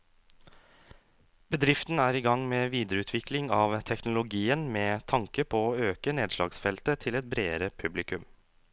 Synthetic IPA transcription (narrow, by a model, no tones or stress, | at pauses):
b̥əd̪ɾɪft̪n̩æːɾiːɡɑŋmeːʋiːd̪əɾəʉːt̪ʰʋɪklɪŋɑːʋt̪ʰɛknʊlʊɡiːənmeːt̪ʰɑŋkəpʰooːøːkəneːd̪ʃlɑ̰ːɡsfɛlt̪ət̪ʰɪlɛt̪̚bɾeːəɾəpʰʉblɪkʉm